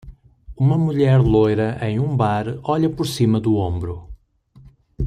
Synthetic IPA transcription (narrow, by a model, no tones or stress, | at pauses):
umɐmuʎɛɾlˠojɾɐʔẽj̃ũbaɾɔʎɐpʊɾsimɐðuõmbɾu